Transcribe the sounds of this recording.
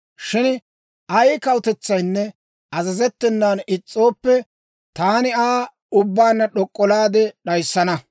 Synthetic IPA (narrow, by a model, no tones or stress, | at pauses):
ʃɪn | ʔɐjkɐwt̪ɛt͡sːɐjnːɛ | ʔɐzɐzɛt̪ːɛnːaːnɪt͡sʼːo̞ːpːɛ | t̪aːnɪaː | ʊbːaːnːɐɗɔkʼːɔlaːd̪ɛɗɐjsːɐnɐ